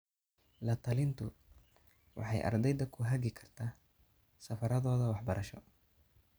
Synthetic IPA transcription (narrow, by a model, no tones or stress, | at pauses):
lɐt̪ʰɐlɪnt̪ʰʊ | wʔɑ̰ħɑ̰jʔɐ̰rd̪ɛjðɐkʰʊɦɐɣɪkʰɐrt̪ʰaː | sɐfɐɾɐðɔːðɐwɑħbɐɾʔɐʃɔ